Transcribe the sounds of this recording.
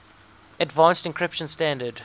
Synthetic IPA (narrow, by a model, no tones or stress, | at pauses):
ədvãnstɪ̃nkʰɹɪpʃə̃nstæ̃ndəd